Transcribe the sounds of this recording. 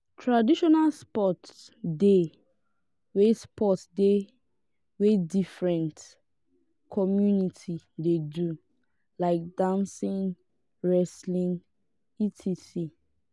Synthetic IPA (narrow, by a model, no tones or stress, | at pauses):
tʰɹadiʃɔnalspɔt | de | wespɔtsde | wedifɹɛ̃nt | kʰɔmjunitʰidedu | laɪk̚dãnsĩn | ɹɛslĩn | itʰisi